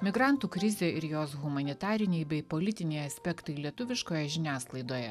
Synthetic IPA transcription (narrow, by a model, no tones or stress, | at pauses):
mʲɪɡɾɑˑnt̪uːkɾʲɪzʲeːʔɪɾjoːsɣʊmɐnʲɪt̪ɑːɾʲɪnʲɛɪbʲɛɪpolʲɪt̪ʲɪnʲɛɪɐsʲpʲɛkt̪ɐɪlʲiɛt̪ʊʋʲɪʃkoːjɛʒʲɪnʲæːsklˠɐɪd̪oːjɛ